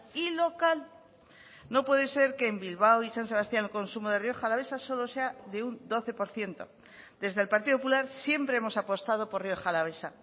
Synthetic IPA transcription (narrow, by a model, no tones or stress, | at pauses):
ilo̞kal | no̞pwe̞ðe̞se̞ɾkeːmbilβ̞awisans̬e̞β̞ast̪janelko̞nsumoð̞e̞rio̞xalaβe̞saso̞lo̞se̞aðe̞und̪o̞θe̞po̞ɾθje̞nt̪o̞̰ | d̪e̞zðe̞lpaɾt̪iðopop̬ulaɾsje̞mpɾe̞emo̞sapo̞st̪að̞o̞po̞rrjo̞xalaβesa̰